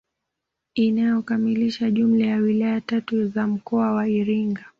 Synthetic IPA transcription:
inajɔkamiliʃaʄum̩lajawilajatatuzam̩kɔawaiɾiŋɡa

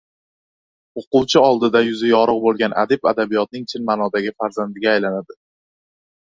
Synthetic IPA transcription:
oqʊwt͡ʃʰɪɒlˠd̪ɪd̪ajʊzɪjɒɾɨq̚bolˠɡʲanʔa̰d̪ɪpa̰d̪abijɒt̪̚nɪŋt͡ʃʰɪnmanɒd̪aɡʲɪfaɾzand̪ɪɡʲaːjlanad̪ɪ

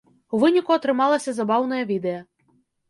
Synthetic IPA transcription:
ʊʋɪnʲikʊɔt̪ɾɪmɑlˠɐsʲɐzɐbɑwnɔjɐʋʲid̪ejɐ

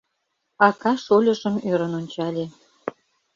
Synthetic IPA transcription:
ɑkɑʃolʲə̆ʃəmøɾənonʲt͡ɕɑlʲe

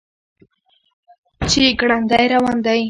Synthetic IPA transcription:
t͡ʃɪɡɽand̪ajɾawand̪aj

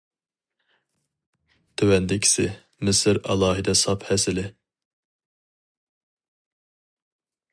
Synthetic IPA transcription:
t̪ʰøwɛnd̪ɪkʲʰi̥sɪ | mɪsɪɾɑ̰lˠɑːɦɨd̪ɛsɑphɛsɪlɪ

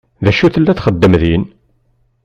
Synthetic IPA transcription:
ðæʃuθəlːæθχəd̪ːəmðin

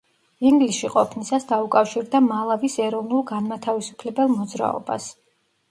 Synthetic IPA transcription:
iŋɡlisʃiqʼɔpʰnisasd̪aukʼafʃiɾd̪amalˠavisɛɾɔvnulˠɡanmat̪ʰavisu̥pʰlɛbɛlˠmɔd̪zɾa̰ɔ̰ba̰s

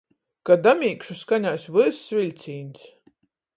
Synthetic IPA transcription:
kad̪amʲiːkʃuskanʲaːsʲvɨɾsvʲilʲt̪sʲiːnʲs

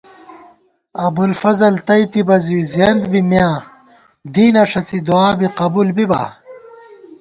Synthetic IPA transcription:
ɐbulfɐzɐlt̪ɐjt̪ibɐzizɐnd̪bimjãː | d̪iːnɐʂɐt͡sid̪uaːbiqɐbulbiba̰

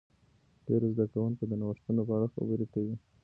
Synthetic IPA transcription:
ɖ̥eɾozd̪akawuŋkod̪ənawəʂt̪unopəaɽaxa̰bəɾikawi

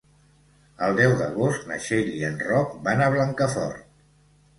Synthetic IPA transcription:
əlˠd̪ɛwd̪əɣ̞ost̪nə̰ʃeʎiənrɔk̚banəβ̞ləŋkəfɔ̰rt̪̚

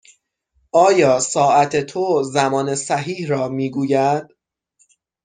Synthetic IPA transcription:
ʔɒːjɒːsɒːʔæt̪ʰe̞t̪ʰozæmɒːnesæɦiːhrɒːmiːɡuːjæd̪̥̚

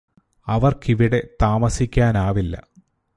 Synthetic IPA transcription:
ɐʋɐrkiʋiɽe̞t̪aːmɐsikʲːaːnaːʋilːɐ̰

